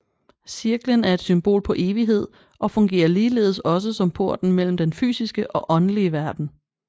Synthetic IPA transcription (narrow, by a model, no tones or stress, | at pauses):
siɐɡ̥lənæɐe̝d̥symb̥o̝̰ːlpʰɒ̽ʔe̝ːʋiɦe̝ð̞̰ˠ | ʔɒ̽fɔ̽ŋɡ̥e̝̰ːɐliːle̝̰ðˠsɒ̽s̬əsɒ̽mpʰo̝ɐ̰d̥n̩mel̰m̩d̥enfy̰ːsisɡ̥əʔɒ̽ʔɒ̽nəliəʋæɐd̥n̩